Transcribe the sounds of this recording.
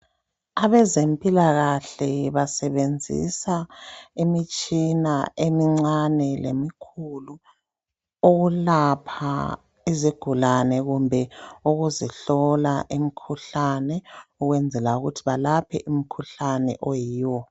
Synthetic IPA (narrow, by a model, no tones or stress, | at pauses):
aβɛzempʼilaɣaɬɛβasɛβend͡zʱḭsaemit͡ʃʼinaemiŋ͡ǀanɛlḛmikʰulu | oɣulapʰa̰ | iziɡ̥ʱulanɛɣumbʱɛuɣuziɬɔlaʔimikʰuɬanɛuɣwɛnd͡zʱɛlauɣutʰiβalapʰɛ̰ʔum̩kʰuɬanɛ̰ʔojiːwɔ